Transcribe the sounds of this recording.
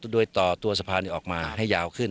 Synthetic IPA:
doː˧jt̪ɔː˨˩t̪u˧ɐsa˧pʰaː˧niː˧˩ʔɔː˨˩k̚maː˧ɦa˥˩jːaː˧wkʰɯ˥˩n

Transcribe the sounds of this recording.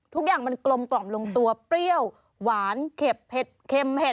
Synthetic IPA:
t̪ʰu˦˥k̚jaː˨˩ŋma˧nklo˧mklɔ˨˩mlo˧ŋt̪u˧ɐpɾi˥˩əw | waː˩˦nkʰe˨˩p̚he˨˩t̪̚kʰe˧mhʰe˨˩

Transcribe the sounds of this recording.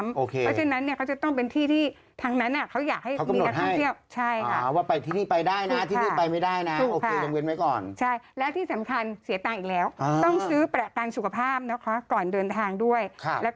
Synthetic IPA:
mʔoː˧˩kʰeː˧ɔ˦˥t͡ɕʰe˧nːa˦˥nːi˥˩ɐkʰa˦˥wt͡ɕa˨˩t̪ɔ˥˩ŋp̬e˧nt̪ʰiː˥˩t̪ʰiː˥˩ | t̪ʰaː˧ŋna˦˥nʔa˨˩kʰa˦˥wjaː˨˩k̚ha˥˩jʰwmka˧i˧mn˨˧a˦˥t̪̚ʰhʰa˥˩t̪ʰəwt͡ɕʰa˥˩jkʰa˥˩waː˥˩pa˧jt̪ʰiː˥˩niː˥˩pa˧jdaː˥˩jna˦˧˦t̪ʰiː˥˩iː˥˩pa˧jma˥˩jdaː˥˩jna˦˥˧oː˧kʰeː˧˩t͡ɕa˧mwe˧nma˦˥jkɔː˨˩nt͡ɕʰa˥˩jlɛː˦˥t̪ʰiː˥˩sa˩˦mkʰa˧nsi˩˦t̪aː˧ŋʔiː˨˩k̚lɛː˦˥wt̪ɔ˥˩ŋsɯː˦˥pɾa˨˧˩ka˧nsu˨˩kʰa˧pʰaː˥˩p̚nɔ˦˥kʰa˦˥˩kɔː˨˩ndɤː˧nt̪ʰaː˧ŋdu˥˩əjkʰa˦˧˩lɛ˦˥

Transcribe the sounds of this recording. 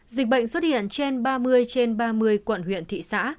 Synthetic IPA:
zï˨˩k̟̚ɓə̰˧˨jŋswə˦˥t̚hḭ˧˨ənt͡ɕe˧nɓaː˧mɨ˧əjt͡ɕe˧nɓaː˧mɨ˧əjkwə˧˩nɦwḭ˧˨ənt̪ʰḭ˧˨sa̰ː˧˥

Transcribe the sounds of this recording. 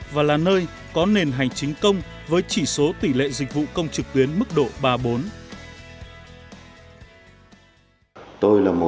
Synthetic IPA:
vaː˨˩laː˨˩nəː˧j | kɔ˨˦ne˨˩nɦa˨˩jŋ̟t͡ɕï˨˦ŋ̟kə˧wŋ͡mvəː˨˦jt͡ɕi˧˩so˨˦t̪i˧˩lḛ˧˨zï˨˩k̟̚vṵ˧˨kə˧wŋ͡mt͡ɕɨ˨˩k̚t̪wi˨˦ənmɨ˦˥k̚ɗo̰˧˨ɓaː˧ɓo˨˦n | t̪o˧jlaː˨˩mo˨

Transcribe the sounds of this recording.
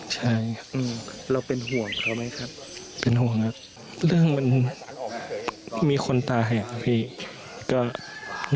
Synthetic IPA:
t͡ɕʰa˥˩jʔɯː˧mɾa˧wpe˨˧nɦu˨˩˦əŋt̪ʰɔː˧˩ma˦˥jkʰa˦˥p̚ | pe˨nɦu˨˩əŋha˧˩ | lɯ˥˧˩əŋma˧˥n | miː˧xʰo˧nt̪aː˧ɦa˧˩a˧t̪ʰiː˧˩ | kɔː˧˩

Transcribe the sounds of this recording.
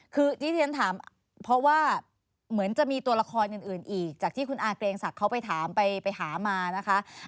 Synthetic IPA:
kʰɯː˧t̪ʰiː˥˩t̪ːnt̪ʰaː˩˦m | pʰɾɔ˦˥waː˥˩ | mɯ˩˦ənt͡ɕa˨˩ʔmiː˧t̪u˧ɐla˧kʰɔː˧nʔɯː˨˩nʔɯː˨˩nʔiː˨˩k̚t͡ɕaː˨˩kt̪ʰiː˥˩ku˧nʔaː˧˩kleː˧ŋsa˨˩kʰːa˦˥wpa˧jt̪ʰaː˩˦mpa˧jpa˧jt̪ʰaː˩˦maː˧na˦˥kʰa˦˥ʔ

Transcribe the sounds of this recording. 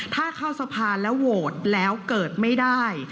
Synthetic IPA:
t̪ʰaː˥˩kʰa˥˩wsa˧pʰaː˧lɛ˦˥woː˨˩t̪̚lɛː˦˥wkɤː˨˩t̪̚ma˥˩jdaː˥˩j

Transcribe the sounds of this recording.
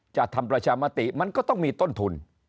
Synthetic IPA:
t͡ɕaː˨˩k̚t̪ʰa˧mpɾa˧t͡ɕʰaː˧maː˧˥t̪i˨˩ma˧nkɔː˥˩t̪ɔ˥˩ŋmiː˧t̪o˥˩nt̪ʰu˧n

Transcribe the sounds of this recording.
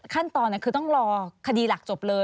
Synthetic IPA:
kʰa˥˩nt̪ɔː˧nːa˥˩kʰɯː˧t̪ɔ˥˩ŋɾɔː˧kʰa˧diː˧la˨˩k̚t͡ɕo˨˩p̚lɤː˧

